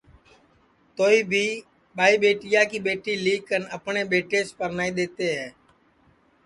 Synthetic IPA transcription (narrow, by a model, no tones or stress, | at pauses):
t̪oːiːbʱiː | ɓaːiːɓeːʈɪjaːkiːɓeːʈiːliːkːənəpɳeːɓeːʈeːspəɾnaːiːɗ̪eːt̪eːɦɛː